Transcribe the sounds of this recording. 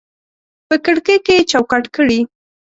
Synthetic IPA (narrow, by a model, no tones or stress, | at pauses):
pəkəɽkeket͡ʃawkaʈkəɽi